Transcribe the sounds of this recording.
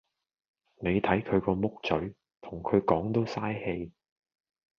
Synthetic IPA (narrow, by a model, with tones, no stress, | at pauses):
ne˨˧jt̪ʰɐ˨˥jkʰɵ˨˧ɥkɔː˧mʊ˥k̚t͡sɵ˨˥ɥ | t̪ʰʊ˨˩ŋkʰɵ˨˧ɥkɔː˨˥ŋt̪o˥wsaː˥jhe˧j